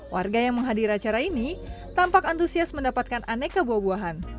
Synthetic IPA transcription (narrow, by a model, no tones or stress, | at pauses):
warɡajaŋməŋɦadiɾat͡ʃaɾaini | t̪ampakant̪usiasməndapat̪̚kanʔanɛkːəbuabuaɦan